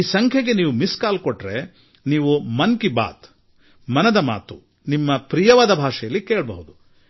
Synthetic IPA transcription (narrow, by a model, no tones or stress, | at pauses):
iːsɐŋkʰjɐɡeniːʋumiskaːlkoʈːɾe̞ | niːʋumɐnkiba̰ːt̪ | mɐnɐd̪ɐma̰ːt̪u | nimːɐpɾijɐʋaːd̪ɐbʱaːʂɐjɐlːikeːɭbɐ̰ɦud̪u